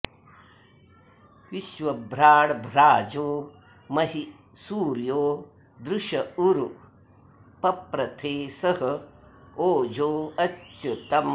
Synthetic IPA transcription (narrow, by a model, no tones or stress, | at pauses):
ʋiʃʋɐbʱɾaːɽbʱɾaːd͡ʒoː | mɐɦi | suːɾjoː | d̪ɾuʂɐuɾu | pɐpɾɐt̪ʰeːsɐɦɐ̆ | oːd͡ʒoːɐɐt̪ɐm